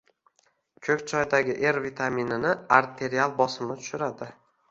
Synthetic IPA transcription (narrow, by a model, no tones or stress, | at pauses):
kʲʰɵkʲt͡ʃʰɒjd̪aɡʲɪʔe̞ɾvit̪ʰaminɪnɪaɾt̪ʰe̞ɾialˠbɒsɪmnɪt̪ʰʊ̥ʃʊɾad̪ɪ